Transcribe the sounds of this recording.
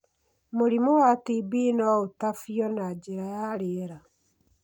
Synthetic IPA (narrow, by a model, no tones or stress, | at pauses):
moɾimowatibinɔotafiɔnad͡ʒeɾajaɾeɾa